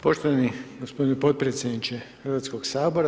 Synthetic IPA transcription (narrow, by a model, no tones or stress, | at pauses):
po̞ʃt̪oʋaniɡospod̪nipo̞t̪̚pɾet̪sjed̪nit͡ʃexərʋat̪skoɡsaːbo̞ɾa